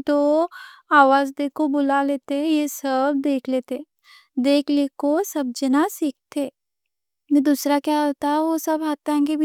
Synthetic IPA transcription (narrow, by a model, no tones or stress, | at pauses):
t̪o | aːʋaːzd̪eːkobʊlaleːt̪eɛ̃jesəbd̪eːkʰleːt̪ẽ | d̪eːkʰlekosɐb̚d͡ʒənasik̚t̪eː | mɛ̃d̪uːsɾakjaɦot̪aɦɛʋosəbɦaːt̪aɦɛ̃ɡebʱi